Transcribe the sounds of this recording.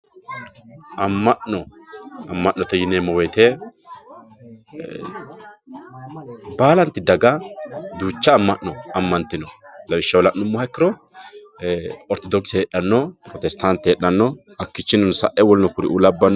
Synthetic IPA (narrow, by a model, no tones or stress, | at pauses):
ʔɐmːɐʔɔɐmːɐʔːɔt̪ɛjɪneːmːɔweːt̪eː | baːlɐnt̪ɪd̪ɐɡad̪uːt͡ʃːɐːmːɐʔːɔɐmːɐnt̪ɪnɔlɐbɪʃːɐwɔlɐʔnʊmːʊhɐkːɪɾɔ | ɔɾt̪ɔd̪ɔksheɗːɐnːɔpɾɔt̪ɛst̪ant̪ːɛɛᶑːɐnːɔ | ɐkːɪt͡ʃːɪnɔnsɐ̰ʔʔɛwɔlnɔkʊɾɪʔulɐbːɐnː